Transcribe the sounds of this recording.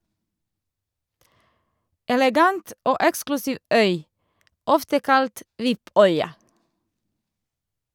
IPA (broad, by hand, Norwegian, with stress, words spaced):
ɛlɛˈɡɑnt ˈoː ˈɛksklʉsiːʋ ˈœʏ ˈɔftə ˈkɑlt ˈʋɪˌpœʏɑ